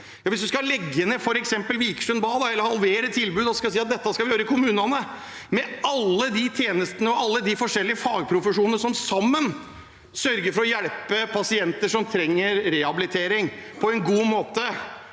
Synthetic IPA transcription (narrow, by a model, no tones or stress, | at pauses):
jɑːʋɪsd̪ʉskɑlɛɡːənəfɔɾɛksɛmpəlʋiːkʂʉnbɑːd̪ɑɛlːəɾhɑlʋeːɾət̪ʰɪlbʉːd̪ɔskɑsiːɑt̪̚d̪ɛt̪ːəskɑʋɪjøːɾəɪkʰʊmʉːnɑnə | mɛɑlːəd̪it̪ʰjeːnəst̪ənəɔɑlːəd̪ɪfɔʂɛlːɪəfɑːɡ̚pʰɾʊfəʂuːnənəʂɔmsɑmːən | sœɾɡəɾfɔɾɔjæɽpəpʰɑsɪɛnt̪əʂɔmt̪ʰɾɛŋːəɾɾɛhɑbɪlɪt̪ʰeːɾɪŋpʰɔɛnɡuːmoːt̪ə